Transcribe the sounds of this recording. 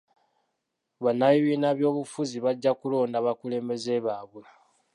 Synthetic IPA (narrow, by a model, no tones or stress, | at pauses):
βanːajiβiːnaβjo̞ːβufuziβaɟːakulo̞ːndaβakule̞ːmbe̞ze̞βaːβwe